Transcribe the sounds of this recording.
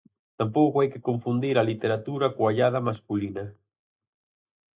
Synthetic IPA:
t̪ampowkoajkɪkoɱfund̪iɾalit̪eɾat̪uɾakoaʎað̞amaskulinɐ

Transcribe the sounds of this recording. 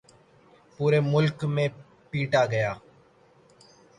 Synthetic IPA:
puːɾeːmʊlkmẽː | piːʈaːɡəjaː

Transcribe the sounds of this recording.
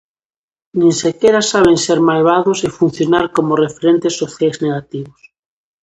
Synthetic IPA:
nĩnsekeɾasaβ̞enseɾmajβ̞aðosefun̟θjonaɾkomorefeɾent̪esːoθjajzneɣat̪iβos

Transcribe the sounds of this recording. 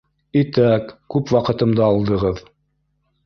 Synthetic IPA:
it̪ækkːʉpwɑqɤ̆t̪ɤ̆md̪ɤɑlˠd̪ɤ̆ʁɤð

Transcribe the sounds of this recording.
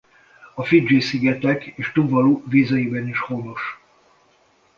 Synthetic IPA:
ɒfid͡ʒiːsiɡɛt̪ɛkeːʃt̪uːvɒluːviːzɒjibɛniʃhoːnoʃ

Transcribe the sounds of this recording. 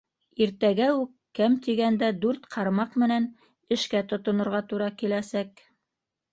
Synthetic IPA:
iɾt̪æɡæʉkːæmt̪iɡænd̪æd̪ʉɾt̪qʰɑɾmɑqmɘ̆næn | ɘ̆ʃkæt̪ŏt̪ŏnŏɾʁɑt̪uɾɑkilæsæk

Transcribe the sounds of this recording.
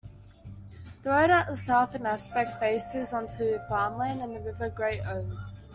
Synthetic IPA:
ðəəʊɾaʔəsɛlˠfə̃naspɛk̚feɪsɪzɔ̃ntʰʉəfɑːmlãnə̃nðəɹɪvəɡɹeɪʔəʊz̥

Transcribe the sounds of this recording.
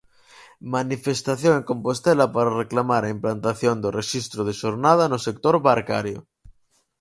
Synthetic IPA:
manifest̪aθjoŋeŋkompost̪elapaɾareklamaɾaimplant̪aθjond̪oreʃist̪ɾoð̞eʃoɾnað̞anosek̚t̪oɾβaɾka̰ɾjo

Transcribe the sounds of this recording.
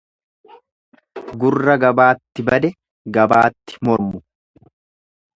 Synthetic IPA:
ɡʊrːɐɡɐbaːt̪ːɪbɐd̪ɛ | ɡɐbaːt̪ːɪ̥mɔɾmʊ

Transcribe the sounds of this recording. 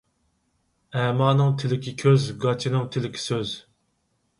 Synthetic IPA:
ɛːmɑːnɨŋt̪ʰɪlɪkʲʰikʲʰøzɡɑt͡ʃʰinɨŋt̪ʰɪlɪkʲʰi̥søz

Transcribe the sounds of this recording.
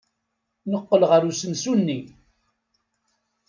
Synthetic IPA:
nəqːəlʁəɾusənsunːi

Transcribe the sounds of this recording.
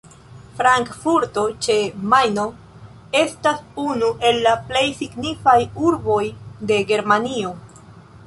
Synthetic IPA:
fɾaŋkfuɾto̞t͡ʃe̞majno̞ | e̞stasunuʔe̞lːaple̞jsiɡnifajuɾbo̞jde̞ɡe̞ɾmanio̞

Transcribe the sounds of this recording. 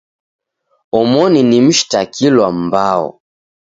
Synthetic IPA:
ɔmɔninim̩ʃi̥takʰilwam̩baɔ̰

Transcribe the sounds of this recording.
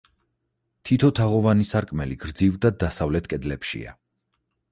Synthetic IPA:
t̪ʰit̪ʰɔt̪ʰaʁɔvanisaɾkʼmɛliɡ̥ɾd̪zivd̪ad̪asavlɛt̪ʰkʼɛd̪lɛpʃḭa̰

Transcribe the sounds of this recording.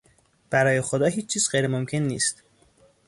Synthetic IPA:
b̥æɾɒːje̞xo̞d̪ɒːɦiːt͡ʃːt͡ʃʰiːz̥ɢejɾemomcʲʰe̞nːḭːst̪

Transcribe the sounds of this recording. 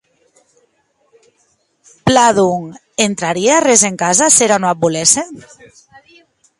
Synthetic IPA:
plaðuŋ | ent̪ɾaɾiearezeŋkazaseɾanoabulese

